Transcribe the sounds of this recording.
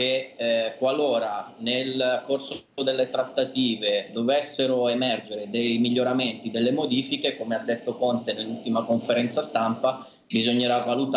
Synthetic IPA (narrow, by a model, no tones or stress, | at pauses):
kekwaloːɾanelkors | od̪elːet̪ɾat̪ːat̪iːved̪ovesːeɾoemɛrd͡ʒeɾed̪ejmiʎːoɾament̪id̪elːemod̪iːfikekomead̪ːet̪ːokont̪enelːult̪imakoɱfeɾɛnt̪sast̪ampa | bizoɲːeɾavːalut̪